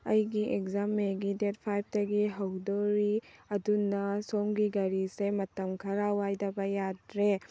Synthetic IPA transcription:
ɐjɡiʔekzamːeɡidet̚pʰajp̚dɐɡiɦɐwdoɾiɐdunːɐsomɡiɡɐɾisemɐtɐmkʰɐɾawajdɐbɐjadɾe

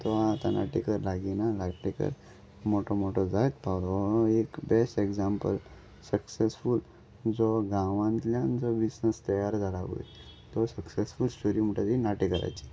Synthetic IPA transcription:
t̪ɔaːt̪a̰na̰ʈikəɾlaɡinalajpʈekə̰ɾ | moʈʰɔmoʈɔd͡zajt̪̚pawlɔekbesʈeɡd͡zampə̰l | səksesful | d͡zɔɡãʋãnt̪ljand͡zɔbisnəst̪əjaɾd͡zʱalaʋo̰jt̪ɔsəksesfulsuɾim̤uʈʰad͡zinaʈikəɾa̰jt͡ɕi̥

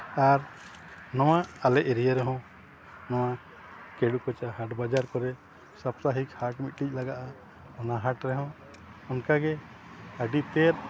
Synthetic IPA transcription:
aɾ | nɔwaalɛʔɛɾijaɾɛɦɔ̃ | nɔwa | kɛɽukɔt͡ʃaɦaʈbad͡ʒaɾkɔɾɛ | sapɾaɦikhaʈmit̪̚ʈic̚ˀlaɡaʔa | ɔnaɦaʈɾɛɦɔ̃ | ɔnkaɡɛ | aɖipɛɾ

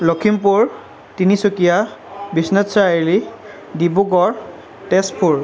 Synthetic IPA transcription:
lokʰimpuɹ | tinisokijabisnɛtsaili | dibuɡɔɹ | tɛspʰuɹ

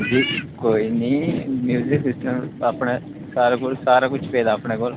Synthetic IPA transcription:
d͡ʒikoːjnimjuːziksisʈɐmɐpːɐɳe | saːɾakulsaːɾaːkut͡ʃːi̥pɛːd̪aːpːɐɳekoːl

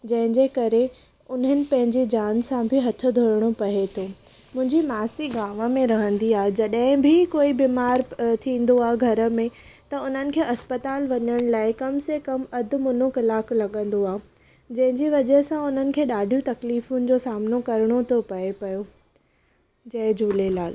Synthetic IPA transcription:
d͡ʑɐ̃ɦɪ̃ɲd͡ʑekɐɾe | ʊnɦənɪ̆pɐ̃ɦɪ̃ɲd͡ʑid͡ʑaːnsãbʱɪɦɐt̪ʰŏd̪ʱoːɾɪɽ̃opɐɦet̪ʰoː | mʊ̃ɦɪ̃ɲd͡ʑimaːsiɡaːʋəmẽɾɐɦə̃nd̪iaːɦed͡ʑɐɗɦɪ̃bʱɪkoːibiːmaːɾt̪ʰĩːn̆d̪oaːɦeɡʱɐɾə̆mẽ | t̪ɐʊn̤ənɪ̆kʰeːʔɐspət̪aːlʋɐɲəɽ̃laːɪkɐmsekɐmɐd̪ʱɪ̆mʊnokɐlaːklɐɠə̃nd̪oaːɦe | d͡ʑɐ̃ɦɪ̃ɲd͡ʑiʋɐd͡ʑəɦsãʊn̤ənɪ̆kʰeːɗaːɖʱijũt̪ɐkliːfʊnɪ̆d͡ʑosaːmnokɐɾɪɽ̃ot̪ʰopɐepɐjo | d͡ʑɐɦɪd͡ʑʱuːlelaːl

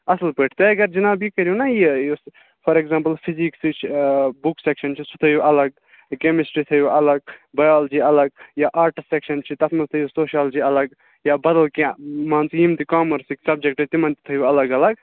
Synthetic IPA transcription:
ɐslpeʈʰt̪eɐɡɐɾd͡ʒɐnaːbikɐɾjunɐjijos | pʰɐɾekzãːmpəlpʰiziksit͡ʃʰbuksekʃɐnt͡ʃʰisʰut̪ʰɐjuʔɐlɐɡ̚ | kemisʈɾit̪ʰɐjuʔɐlɐɡ̚bɐjaːld͡ʒiɐlɐɡjaːʔaːɾʈsekʃɐnt͡ʃʰit̪ɐt̪ʰmɐlt̪ʰɐjusoːʃiaːld͡ʒiɐlɐɡ | jaːbɐd̪ɐlkmãːnsjĩmt̪ikaːmɐɾsiksɐb̚d͡ʒek̚ʈɐt̪imɐ̃nt̪it̪ʰɐjuɐlɐɡɐlɐɡ

